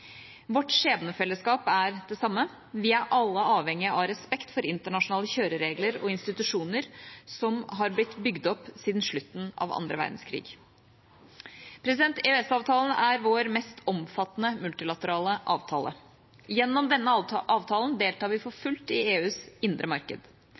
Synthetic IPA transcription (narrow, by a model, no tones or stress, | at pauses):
ʋɔʈːʂeːbənəfɛlːəskɑːpæɾd̪̥ɛsɑmːə | ʋɪæɾʔɑlːəɑːʋhɛŋːɪəʔɑɾɛspɛkt̪fɔɾɪnt̪əɳɑʂʊnɑːləçøːɾəɾeːɡləɾɔɪnst̪ɪt̪ʉʂuːnəɾsɔmɦɑɾblɪt̪ːbʏɡd̪ɔpsiːd̪nʂɭʉt̪ːn̩ɑ̰ʋɑ̰nd̪ɾəʋæ̰ɾd̪nskʰɾḭːɡ | pʰɾɛsɪd̪ɛnt̪ɛʉɛsɑːʋt̪ʰɑːln̩æɾʋoːɾmɛst̪ʰɔmfɑt̪nəmʉlt̪ɪlɑt̪əɾɑːləʔɑːʋt̪ʰɑ̰ːlə̰ | jɛnːɔmd̪ɛnːəʔɑːʋt̪ʰɑːlənd̪eːlt̪ɑːɾʋɪfɔɾfʉlt̪ɪeːʉːsɪnd̪ɾʔəmɑɾkə̰d̪